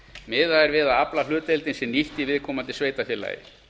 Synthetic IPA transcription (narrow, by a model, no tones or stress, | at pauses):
mɪːðaɛɾvɪðaaplal̥ʏːt̪ejlt̪ɪnsɛmniht̪ivɪðkʰɔːmant̪ɪsveːjt̪afjɛla̰ːjɪ̰